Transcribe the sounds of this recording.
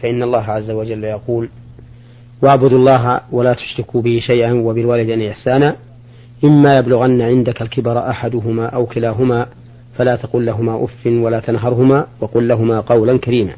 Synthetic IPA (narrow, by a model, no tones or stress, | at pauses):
faʔɪnːɑlˤːɑːɦaʕazːawad͡ʒalːjɑquːl | waʕbʊd̪ɑlˤːɑːɦa̰walaːt̪ʊ̥ʃɾɪkubɪhɪʃajʔanwabɪlwaːlɪd̪anajaħsaːnaː | ʔɪmːaːjablʊɣanːaʕɪnd̪akalkɪbɑɾˤʔaħad̪ʊɦʊmaːʔawkɪlaːɦʊmaː | falaːt̪ɑqʊːlːaɦʊmaːʔʊ̰fːɪnwalaːt̪anɦɑɾˤɦʊmaːwɑqʊlːaɦʊmaːqɑwlankaɾiːma̰ː